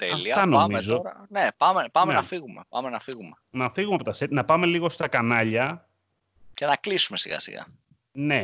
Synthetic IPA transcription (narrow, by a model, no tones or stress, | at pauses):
t̪eliɐt̪ɐnomezoɾɐnepɐmepɐmenɐfiɣumepɐmenɐfiɣumenɐfiɣumeɐpo̞t̪ɐset̪nɐpɐme̞liɣo̞st̪ɐkɐnɐʎɐ | ce̞nɐklisume̞siɣɐ̰sḭɣɐ̰ | ne̞